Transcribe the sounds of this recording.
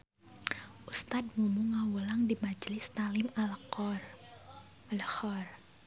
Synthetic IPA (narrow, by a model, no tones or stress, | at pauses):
ʔust̪ad̪̚mumuŋawulaŋdimad͡ʒlɪst̪alɪml | lhɔr